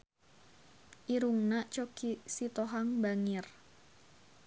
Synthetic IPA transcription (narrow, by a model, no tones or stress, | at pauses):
ʔiɾuŋnat͡ʃokisit̪ɔɦaŋbaŋɪr